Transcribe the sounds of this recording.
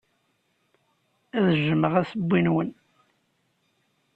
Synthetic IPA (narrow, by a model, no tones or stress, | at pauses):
æðʒəməʁæsəbʷːinwən